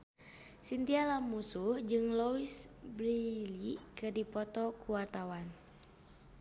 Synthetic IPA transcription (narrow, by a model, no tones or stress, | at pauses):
sint̪ialamusuhd͡ʒɨŋlɔisbɾilikɨrdipɔt̪ɔkuwart̪awan